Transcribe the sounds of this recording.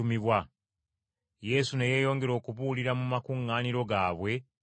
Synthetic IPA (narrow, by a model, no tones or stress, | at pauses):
umiβwa | je̞suneje̞ːjo̞ːŋɡe̞ɾo̞ːkuβuliɾamumakuŋːaːniɾo̞ɡaːβwe̞